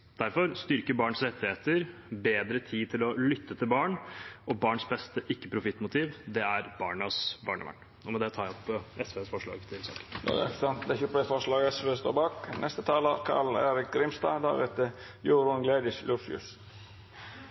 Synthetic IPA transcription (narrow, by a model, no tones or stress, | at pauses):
d̪̥æɾfɔɾst̪ʏɾkəbɑːɳsɾɛt̪ːɪheːt̪əɾbeːd̪ɾət̪ʰiːt̪ʰɪlɔlʏt̪ːət̪ʰɪlbɑːɳɔbɑːɳsbɛst̪əʔɪkːəpʰɾʊfɪt̪ːmʊt̪ʰiːʋd̪ɛæɾb̥ɑːɳəsbɑːɳə̰ʋæ̰ɳ | ɔmɛd̪ɛt̪ʰɑːɾæɔpːɛsʋeːsfɔʂɭɑ̰ːɡt̪ʰɪlsɑ̰ːkə̥n̰əsɑnt̪̚d̪ɛæçʊpɛfɔʂlɑːɡɛsʋest̪o̰ːbɑːknʔɛst̪ət̪ʰɑːləkʰɑ̰ɭḛːɾɪk̚ɡɾɪmst̪ɑ̰ːd̪æ̰ɾɛ̰t̪ə | juːɾʊnɡleːd̪ɪʃlʉɾfʉ̰s